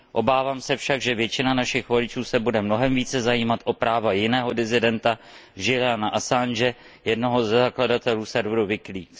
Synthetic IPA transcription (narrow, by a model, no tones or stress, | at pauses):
ʔo̞baːvaːmsɛfʃaɡʒɛvjɛt͡ʃɪnanaʃɪxvolɪt͡ʃuːsɛbudɛmno̞ɦɛmviːt͡sɛzajiːmat̪ʔo̞pɾaːvajɪnɛːɦo̞dɪzɪdɛnt̪a | ʒɪlanaʔasand͡ʒɛ | jɛdno̞ɦo̞zɛzakladat̪ɛluːsɛɾvɾuvɪkliːk